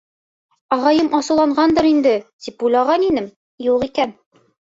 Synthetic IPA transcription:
ɒʁɑjɤmʔɒsulˠɑɴɢɑnd̪ɤɾind̪ɘt̪ip̚ujlˠɑʁɑninɘm | juqikæn

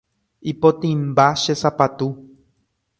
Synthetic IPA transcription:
ipot̪ĩmbaʃesapat̪u

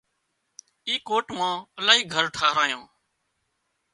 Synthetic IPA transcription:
iːkoːʈmãːəlaːɦiːɡʱəɾʈʰaːɦɾaːjãː

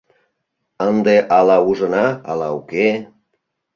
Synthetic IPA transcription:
ənd̪eʔɑlɑuʒənɑːlɑuke

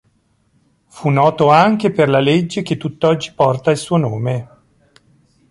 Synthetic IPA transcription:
funːɔːt̪oaŋk̟eperlaled͡ʒːek̟et̪ːut̪ːɔd͡ʒːi̥pɔrt̪ailsuːonoːme

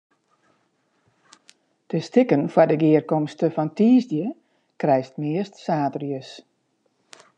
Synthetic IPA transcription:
təstɪkənfwɔdəɡɪərkɔmstəfɔntiːzdjə | krɛjstmɪəstsaːtərjəs

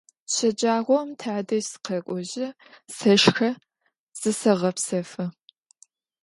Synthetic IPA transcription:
ɕɐd͡ʒʼaːʁʷɔmtʰaʕdɐʒsɨ̥qʰɐkʷʼɔʑɪ | sɐʃxɐ | z̥ɨsɐʁɐpsɐfɨ

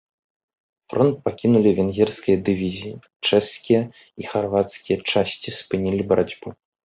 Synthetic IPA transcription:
fɾɔnt̪̚pakʲinulʲivʲɛnɣʲɛrskʲijɐd̪ɨvʲizʲiji | t͡ʂɛʂskʲijɐ | ixarvat̪skʲijɐt͡ʂasʲt͡sʲispɨnʲilʲibɐɾad͡zʲbu

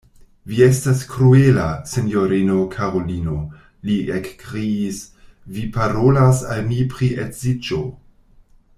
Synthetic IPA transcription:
vie̞staskɾuelasenjoɾino̞kʰaɾo̞lino̞ | liekkɾiːs | vipaɾolasalmipɾiʔetz̥id͡ʒo

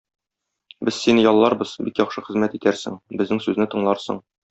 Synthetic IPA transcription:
bɘzsinɘjɒlˠːɑɾbɤz̥bikjɒχʃɤχɘ̆zmæt̪it̪æɾsɘ̰ŋbɘ̆znɘŋsʉznɘt̪ɤ̆ɴlˠɑɾsɤ̰ɴ

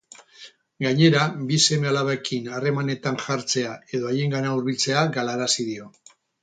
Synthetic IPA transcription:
ɡaɲe̞ɾabise̞me̞alaβaekʰinare̞mane̞t̪aŋʝaɾt͡se̞ae̞ðo̞aje̞ŋɡanauɾβilt͡se̞aɡalaɾasiðio̞

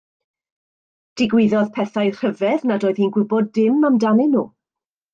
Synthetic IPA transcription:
d̥ɪɡwɪðɔðpʰɛθajr̥əvɛðnadoːɨð̥hiːnɡwɪbɔdɪmamdanɪnṵː

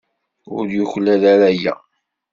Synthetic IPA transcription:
ʊɾjʊçlæðaɾæjæ̰

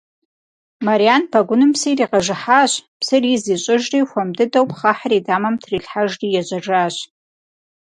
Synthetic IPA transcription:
maɾianpʰaɡʷʊnɨmpsijriːqɐʐɨħaɕpsɨriziɕʼɪʒriːxʷɐmdɨdɐwpʰχaħaridaːmɐmtʰriɬħaʒrijɛʑʷʼɐʐaːɕ

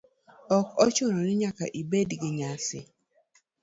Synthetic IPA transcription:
ɔkɔt͡ʃʊɾɔnɪɲaka̰ʔibedɡɪɲasɪ̰

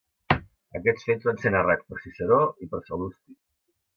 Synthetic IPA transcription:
əkɛt͡sfed͡zzβansenərɛt̪̚pəɾsisəɾoipəɾsəlust̪ik

